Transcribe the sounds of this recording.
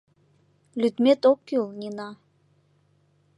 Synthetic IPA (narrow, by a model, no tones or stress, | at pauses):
lʲyt̪met̪okːylnʲinɑ